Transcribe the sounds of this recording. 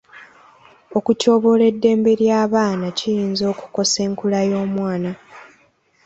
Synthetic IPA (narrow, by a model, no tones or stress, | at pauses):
o̞kuco̞ːβo̞le̞dːe̞ːmbe̞ɾjaːβaːnacijiːnzo̞ːku̥ko̞se̞ːŋkulajo̞ːmwaːna